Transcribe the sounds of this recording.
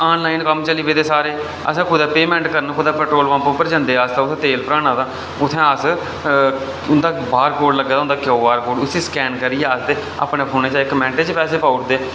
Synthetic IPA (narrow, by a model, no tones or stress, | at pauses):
aːnlaːinkəmt͡ʃəliːbeːt̪eːsaːɾeː | ə̰sãːkʰʊd̪aːpeːmɛ̃ːɳʈkəɾənkʰʊd̪aːpəɾʈɾoːlʋãːpõːpəɾd͡ʒə̃ːnd̪eːaːst̪ãːʊt̪ʰẽːt̪eːlpəɾãːɽ̃ãːt̪aː | ʊt̪ʰːẽːaːs | ʊnd̪aːbaːɾkoːɽləɡːeːd̪aːʊnd̪aːkjoːbaːɾkoːɖʊt̪ʰːẽːskɛːnkəɾijeːaːsd̪eː | a̰ːpɳeːpʰoːneːt͡ʃãːɪkmɛ̃ːɳʈeːt͡ʃpɛːseːpaːʊʈd̪eː